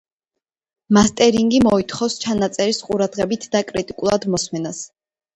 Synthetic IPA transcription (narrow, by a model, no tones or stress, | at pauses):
mast̪ʼɛɾiŋɡimɔit̪ʰχɔfst͡ʃʰanat̪sʼɛɾisqʼuɾad̪ʁɛbit̪ʰd̪akʼɾit̪ʼikʼulˠad̪mɔsmɛnas